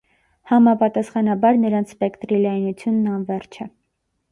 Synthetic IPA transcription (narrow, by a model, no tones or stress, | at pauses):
hɑmɑpɑt̪ɑsχɑnɑbɑɾnəɾɑnt͡sʰpɛkt̪ɾilɑjinut͡sʰjunːɑnvɛrt͡ʃʰɛ